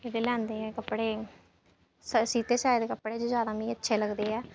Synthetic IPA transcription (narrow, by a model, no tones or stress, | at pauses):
eːdeːlɛ̃ːnd̪eːɛːkəpːɽeː | səsiːt̪eːsaːed̪eːkəpːɽeːd͡ʒozjaːd̪aːmĩːətːʃʰeːləɡd̪eːɛː